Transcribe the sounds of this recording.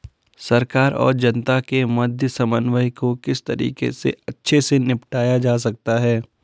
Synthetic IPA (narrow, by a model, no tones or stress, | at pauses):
sɐɾkaːɾɔ̰ːɾd͡ʒɐnt̪akemɐd̪ʱjəsɐmənʋəɦikokɪst̪ɐɾḭːkḛsḛɐtːʃʰesenɪpʈaːjad͡ʒaːs̬ɐk̚t̪aɦɛː